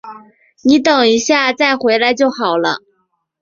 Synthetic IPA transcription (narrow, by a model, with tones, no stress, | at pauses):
ni˧˥t̪ɤ˨˩ŋi˧˥ɕja˥˧t͡sa˥˩ɪxwe˧˥ɪla˧˥ɪt͡ɕjo˥˩ʊxɑ˨˩ʊlə̰˦